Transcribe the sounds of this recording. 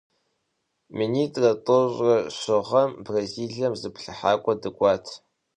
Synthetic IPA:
miniːtʼrɐtʼɨɕʼrɐɕɨʁɐmbraziːɮɐmzɨpɬɨħaːkʷʼɔdɨkʷʼɑːtʰ

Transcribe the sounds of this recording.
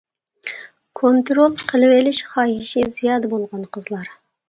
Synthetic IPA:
kʰont̪ɾolˠqʰəlˠɨwɪlɪʃχɑːɦɪʃizijɑːd̪əbolˠʁɑnqʰəzlˠɑɾ

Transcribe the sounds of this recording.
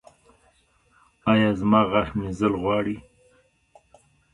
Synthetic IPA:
ɑjɑːzmɑːɣaxmizəlɣwɑːɽi

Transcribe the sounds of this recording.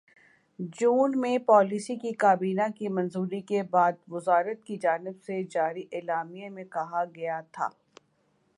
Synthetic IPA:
d͡ʒuːnmẽpɔːlisikikaːbiːnakimɐ̃nzuːɾikebaːd̪ʋʊzaːɾət̪̚kid͡ʒaːnɪbsed͡ʒaːɾiʔeːlaːmijemẽkɐɦaɡɐjat̪ʰa̰ː

